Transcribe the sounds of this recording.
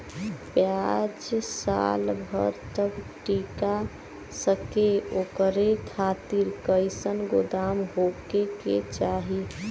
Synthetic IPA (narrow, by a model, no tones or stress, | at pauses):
pjad͡ʒsa̰lbʱə̰ɾt̪əbʈika | səkeokəɾekʰat̪iɾkəɪsənɡod̪amɦokekḛt͡ʃaɦi